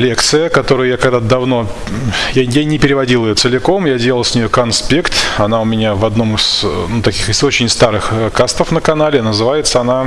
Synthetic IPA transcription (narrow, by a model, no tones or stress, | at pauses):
lʲe̞kt̪sɨjəkɐt̪o̞ɾʊjʊjakɐɡd̪at̪d̪ɐvno̞ | jajanʲɪpʲɪɾʲɪvɐdʲilˠɪjot̪sɨlʲɪko̞mjadʲelˠlˠsʲnʲɪjokɐnspʲekt̪ɐnaʊmʲɪnʲavɐd̪no̞mɨsnut̪ɐkʲixɨso̞t͡ɕɪnʲst̪aɾɨxəkast̪əfnəkɐnalʲɪnəzɨvajɪt̪səɐna